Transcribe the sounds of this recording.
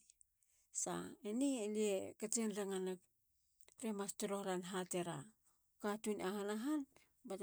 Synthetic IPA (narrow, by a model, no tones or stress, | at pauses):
sa̰enieliekat͡ʃenɾaŋana | ɾemastoɾo̞hɾanɦate̞ɾa | katunaɦanaɦan | bat